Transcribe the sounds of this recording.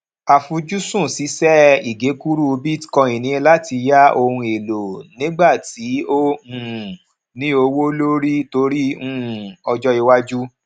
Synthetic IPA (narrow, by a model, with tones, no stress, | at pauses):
a˨fũ˧d͡ʒu˦sũ˦˨si˨˦sɛ˦i˨ɡe˨˦ku˦ɾu˦o˧bi˦tkɔ̃˧i˨nĩ˨˦˧la˦ti˧ja˦o˧hũ˧e˨lo˨nĩ˦ɡ͡ba˦˨ti˨˦o˦hũ˨ | nĩ˦o˧wo˦lo˦ɾi˦to˧ɾi˦ũ˦˨ɔ˧d͡ʒɔ˦i˧wa˦d͡ʒu˦